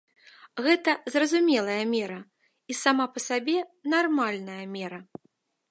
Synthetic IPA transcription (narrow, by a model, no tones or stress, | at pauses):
ɣɛt̪ɐzrɐzumʲɛlˠɐjɐmʲɛɾɐ | isamapɐsabʲɛnarmalʲnɐjɐmʲɛɾɐ